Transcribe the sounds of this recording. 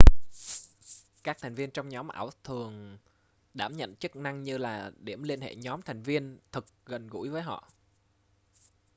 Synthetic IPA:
kaː˦˥k̚t̪ʰɛ˨˩jŋ̟vi˧ənt͡ɕɔ˧wŋ͡mɲɔ˨˦mʔa̰ː˧˩wt̪ʰɨ˨˩əŋ | ɗaː˧˩mɲə̰˧˨nt͡ɕɨ˦˥k̚na˧ŋɲɨ˧laː˨˩ɗi˧˩əmli˧ənhḛ˧˨ɲɔ˨˦mt̪ʰa˨˩jŋ̟vi˧ənt̪ʰɨ˨˩k̚ɣə˨˩nɣṵ˧˩˥jvəː˨˦jɦɔ̰˧˨ʔ

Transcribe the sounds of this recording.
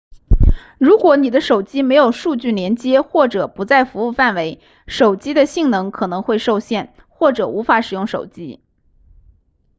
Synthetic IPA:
ɻu˧˥kwɔ˧˥ni˨˩d̪ə˦ʂo˨˩ʊt͡ɕi˥me˧˥ɪjo˨˩ʊʂu˥˧t͡ɕy˥˩ljɛ˧˥nt͡ɕjɛ˥xwɔ˥˩ʈ͡ʂɤ˨˩pu˧˥t͡sa˥˩ɪfu˧˥u˥˧fa˥˩nwe˧˥ɪ | ʂo˨˩ʊt͡ɕi˥d̪ə˨ɕi˥˩ŋnɤ˧˥ŋkʰɤ˨˩nɤ˧˥ŋxwe˥˧ɪʂo˥˧ʊɕjɛ˥˩n | xwɔ˥˩ʈ͡ʂɤ˨˩u˧˥fa˧˥ʂɻ̩˨˩jʊ˥˩ŋʂo˨˩ʊt͡ɕi˥

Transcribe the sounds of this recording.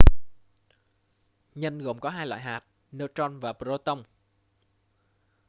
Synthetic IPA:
ɲə˧nɣo˨˩ŋ͡mkɔ˨˦ɦaː˧jlwa̰ː˧˨jɦaː˨˩t̚ | neː˧wt͡ɕɔ˧nvaː˨˩pɾo˧t̪ə˧wŋ͡m

